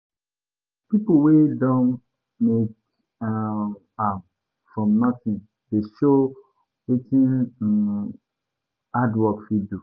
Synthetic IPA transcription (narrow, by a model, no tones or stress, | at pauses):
pipowedɔ̃n | mek | a | fɹɔ̃mnɔtĩn | deʃo | wikĩn | adwɔkfidu